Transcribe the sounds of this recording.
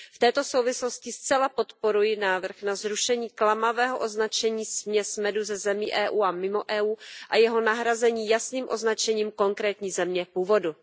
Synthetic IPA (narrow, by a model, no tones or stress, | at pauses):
ft̪ɛːt̪o̞so̞wvɪslo̞scɪst͡sɛlapo̞t̪po̞ɾujɪnaːvr̩xnazɾuʃɛɲiːklamavɛːɦoʔo̞znat͡ʃɛɲiːsmɲɛsmɛduzɛzɛmiːʔɛːʔuːʔamɪmoʔɛːʔuːʔajɛɦo̞naɦɾazɛɲiːjasniːmʔo̞znat͡ʃɛɲiːmko̞ŋkɾɛːt̪ɲiːzɛmɲɛpuːvo̞du